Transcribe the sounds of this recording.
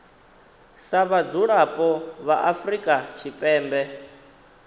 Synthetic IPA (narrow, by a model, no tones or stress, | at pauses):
saβad͡zuɺapʼɔβaʔafrikʼat͡ʃʰipʼɛːmbɛ